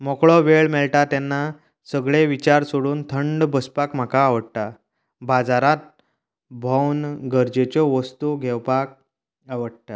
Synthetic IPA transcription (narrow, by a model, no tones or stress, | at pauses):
mɔkɭɔʋeɭmeɭʈat̪anːa | səɡɭeʋit͡ɕaɾsoɽuːnt̪ʰəɳɖbəspakm̤akaːʋəɽʈa | bad͡zaɾat̪̚ | bʱɔwnɡəɾd͡ʑet͡ɕɔʋəst̪uɡʱɛwpak̚ | aʋəɽʈ̪a